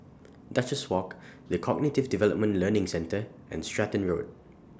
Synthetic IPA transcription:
dat͡ʃəswɔkdəkʰɔɡ̚nitɪvdivɛlə̰p̚mə̃nlənɪ̃ŋsɛ̃ntəʔɛ̰̃nstɹɛtə̃nɹo̰d̚

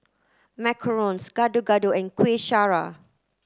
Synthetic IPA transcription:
mɛkʰəɹɔ̃nsɡ̥adoɡadoɛ̃nkweʃaɹa

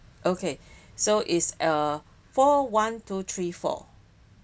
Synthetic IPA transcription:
ʔokʰe | soʔitsə | fɔwãntʰut̪ʰɹifɔ̰

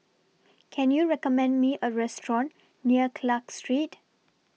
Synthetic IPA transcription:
kʰɛ̃njuɹɛkɔmɛ̃ndmiʔəɹɛstɹɔ̃nː | iəkʰlakstɹit

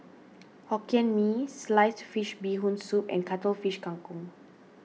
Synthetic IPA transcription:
hɔkiə̃nmislajsfiʃbiɦũnsupɛ̰̃nkatəlfiʃkãŋkũŋ

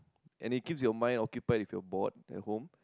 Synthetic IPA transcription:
ʔɛ̃nit̚kipsjɔmãj̃nɔkjupajdifjɔbɔt̚ɛ̰t̚hõm

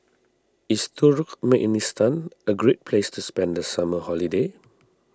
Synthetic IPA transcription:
istʰuɹkmɛʔnistãnʔəɡɹet̚pʰlestuspɛ̃ndəsaməhɔlide

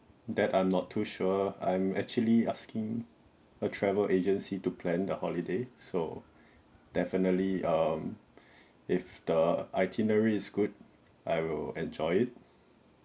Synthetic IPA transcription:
dɛtãɪ̃mnɔtʰːuʃuəã̰j̃mɛk̚t͡ʃuəliaskɪ̃ŋ | ətʰɹɛvəlʔed͡ʒə̃nsitupʰlɛ̃ndəhɔlideso | d̥ɛfinətliʌm | ɪfdəʔaɪtʰinəɹiɪsɡud | aɪwɪlɛ̃nd͡ʒɔɪɪt̚

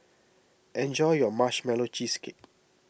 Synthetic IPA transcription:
ʔɛ̃nd͡ʒɔjɔmaʃmɛlot͡ʃiski

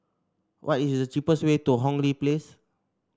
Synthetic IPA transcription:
wʔɔtisdət͡ʃipəswetuɦɔ̃ŋliples

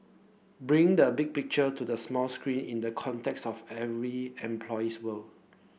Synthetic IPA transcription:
bɹĩŋdəbiɡ̚pɪk̚t͡ʃətudəsmɔlskɹĩnĩndəkʰɔ̃ntʰɛkstɔfɛvɹiɛ̃mpʰlɔjiswəl

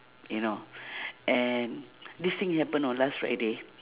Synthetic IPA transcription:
junoʔɛndist̪ĩŋhɛpə̃nɔ̃nlasfɹa̰jde

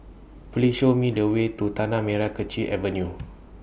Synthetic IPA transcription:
pliʃomĩdəwet̪ːut̪anãmẽɾakət͡ʃiʔɛvənju

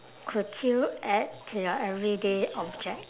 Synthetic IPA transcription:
kʰutʰuʔɛd̚tʰːujɔʔɛvɹideɔb̚d͡ʒɛk̚

